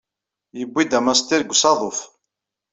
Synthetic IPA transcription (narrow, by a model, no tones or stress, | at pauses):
jəbːid̪æmæst̪iɾɡʷːsɑðˤof